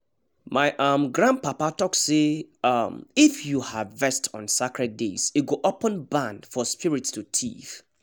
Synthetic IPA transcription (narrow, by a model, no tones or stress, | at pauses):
maɪʔamɡɹãn̚papatɔkseamifjuhavvɛstʰɔ̰̃nsakɹɛt̚desiɡoʔɔpɔ̃nbãndfɔspiɹitstʰutʰḭθ